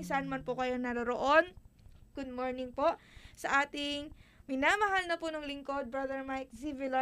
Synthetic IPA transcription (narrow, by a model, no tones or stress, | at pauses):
ŋsaanmɐnpʊkɐjo̞nɐɾoɾoʔo̞nɡ̥ʊd̪̚moɹnɪŋpo̞ʔ | sɐʔaːt̪ɪŋmɪnaːmɐɦalnɐpʊnɐŋlɪŋko̞d̪̚bɹad̪ɛɹmajk̚sivɪlo